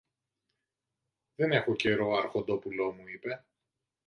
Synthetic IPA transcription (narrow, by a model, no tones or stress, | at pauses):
ðene̞xo̞ce̞ɾo̞ɐɾxo̞nd̪o̞pulo̞muipe̞